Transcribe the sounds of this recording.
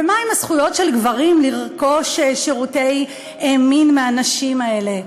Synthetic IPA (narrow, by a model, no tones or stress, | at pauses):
vemaimasχujo̞tʃe̞lɡvaʁimliʁko̞ʃeʃiʁute̞j | eminmeaːnaʃimae̞le̞